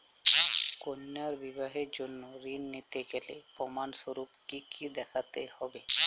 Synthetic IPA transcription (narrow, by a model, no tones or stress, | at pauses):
konːaɾbibaɦeɾd͡ʒonːoɾinːit̪eɡelḛpɔmansoɾupkikid̪ɛkʰat̪ehɔbe